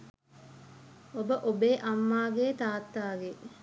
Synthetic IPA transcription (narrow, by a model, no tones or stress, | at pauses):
obəʔobeːʔɐmːaːɡeːt̪aːt̪ːaːɡe